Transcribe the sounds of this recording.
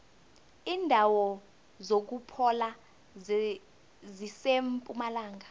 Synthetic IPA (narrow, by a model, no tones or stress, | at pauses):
iːndʱawɔ | zok̬upʰɔla | zisempʼumalaːŋʱa